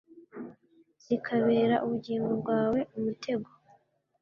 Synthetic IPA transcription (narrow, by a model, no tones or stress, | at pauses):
z̥ikʰaβe̞ːɾaʔuβuɟiːŋɡo̞bɡwaːwe̞umutʰe̞ɡo